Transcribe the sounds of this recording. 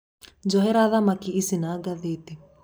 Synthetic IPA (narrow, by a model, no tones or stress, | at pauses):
d͡ʒɔɦɛɾaðamakiːsinaɡaðet̪i